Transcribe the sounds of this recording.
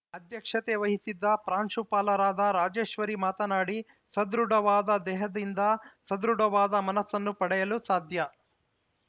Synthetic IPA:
ɐd̪jɐkʂɐt̪eʋɐɦisid̪ːɐpɾaːnʂupaːlɐɾaːd̪ɐɾaːd͡ʒeːʃʋɐɾimaːt̪ɐnaːɽi | sɐd̪ɾuɽɐʋaːd̪ɐd̪ɛːɦɐd̪ind̪ɐsɐd̪ɾuɽɐʋaːd̪ɐmɐnɐsːɐnːupɐɽɛjɐlusaːd̪ʱjɐ

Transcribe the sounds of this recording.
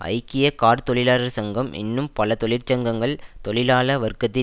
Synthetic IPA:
ɐ̰ɪkːɪjɐkaːɾt̪ɔɭɪlaːlɐɾsɐŋɡɐmʔɪ̰nːɯmpɐlɐt̪ɔɭɪɾt͡ʃːɐŋɡɐŋɡɐɭt̪ɔɭɪlaːlɐʋɐɾkːɐt̪ːɪ

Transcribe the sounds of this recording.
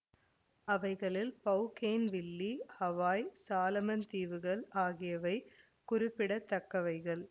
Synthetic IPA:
ɐʋɐɪɣɐɭɪlpɐʊkeːnʋɪlːihɐʋaːjsaːlɐmɐnt̪iːʋɯɣɐɭaːɣɪjɐʋɐɪ | kʊrɪpːɪɽɐt̪ːɐkːɐʋɐɪɣɐɭ

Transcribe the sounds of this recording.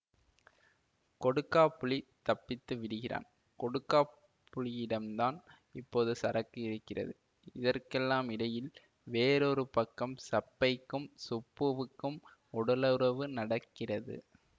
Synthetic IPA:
kɔɽɯkːaːpːʊɭit̪ɐpːɪt̪ːɯʋɪɽɯɣɪra̰ːn | kɔɽɯkːaː | pːʊɭɪjɪɽɐmd̪aːn | ɪpːoːðɯsɐɾɐkːɯɪɾɯkːɪrɐ̰ðɯ | ɪðɐrkɛlːaːmɪɽɐjɪl | ʋeːɾɔɾɯpɐkːɐmsɐpːɐɪkːɯmsʊpːɯʋɯkːɯm | ɔɽɐlɐɾɐʋɯnɐɽɐkːɪrɐðɯ̰

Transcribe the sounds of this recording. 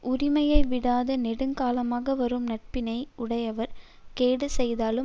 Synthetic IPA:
ʊɾɪmɐjɐɪʋɪɽaːðɯnɛɽɯŋkaːlɐmaːɣɐʋɐɾɯmnɐʈ̚pɪnɐɪʊɽɐjɐʋɐɾ | keːɽɯsɛjðaːlɯ

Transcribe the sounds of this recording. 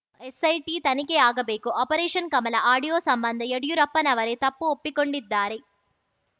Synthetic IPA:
esɐjʈiːt̪ɐnikeaːɡɐbeːkuʔɔːpɐɾeːʂɐnkɐmɐlɐʔaːɽijoːsɐmbɐnd̪ʱɐjeɽijuɾɐpːɐnɐʋɐɾeːt̪ɐpːuopːikoɳɖid̪ːaːɾe

